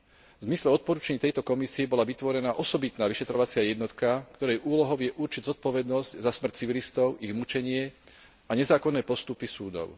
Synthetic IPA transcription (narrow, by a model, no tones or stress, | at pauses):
vzmislɛɔt̪̚pɔɾuːt͡ʃaɲit̪ɛjt̪ɔkɔmisiɛbɔlaʋit̪ʋɔɾɛnaːʔɔsɔbit̪naːʋiʃɛt̪ɾɔʋat͡sɪajɛd̪nɔt̪kakt̪ɔɾɛjʔuːlɔɦɔʊjɛʔuɾt͡ʃiɟzɔt̪̚pɔʋɛd̪nɔzczasmr̩ct͡siʋilist̪ɔʊiɣmut͡ʃɛɲɪɛ | aɲɛzaːkɔnːɛːpɔst̪upisuːd̪ɔ̰ʊ